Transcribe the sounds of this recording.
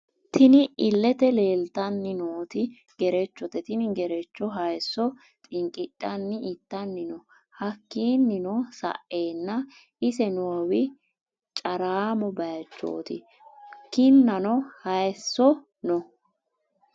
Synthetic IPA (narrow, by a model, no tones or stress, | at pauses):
t̪ʰɪnɪʔɪlːɛt̪ɛle̞ːlt̪ɐnːɪnoːt̪ɪ | ɡ̥ɛɾɛt͡ʃːɔt̪ɛt̪ɪnɪɡɛɾɛt͡ʃːɔɦɐjsːɔ | t̪ʼɪŋkʼɪtʼːɐnːɪʔɪt̪ːɐnːɪnɔ | hɐkːiːnːɪnɔsɐ̰ʔe̞ːnːɐ | ʔɪsɛnoːwɪ | t͡ʃʼɐɾaːmɔbɐjɐt͡ʃːo̰ːt̪ɪ̰ | kɪnːɐnɔhɐjsːɔ | nɔ